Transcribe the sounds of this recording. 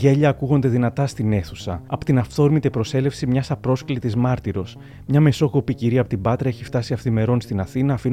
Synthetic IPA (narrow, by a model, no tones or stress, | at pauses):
ʝe̞ʎɐːkuɣo̞nd̪e̞ðinɐt̪ɐst̪ine̞θusɐɐpo̥t̪inɐft̪o̞ɾmit̪epɾo̞se̞le̞fsimɲɐsɐpɾo̞sklit̪izmɐɾt̪iɾo̞s | mɲɐme̞so̞ko̞piciɾiɐpo̞t̪ibɐt̪ɾɐeçift̪ɐsiɐft̪ime̞ɾo̞nst̪inɐθinɐːfin